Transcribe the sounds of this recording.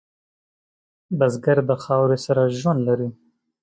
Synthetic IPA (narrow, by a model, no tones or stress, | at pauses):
bazɡaɾd̪əxɑwɾesaɾaʒwand̪laɾi